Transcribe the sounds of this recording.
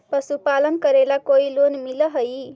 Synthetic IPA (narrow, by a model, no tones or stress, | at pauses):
pəsupalənkəɾelakoilonmiləɦəj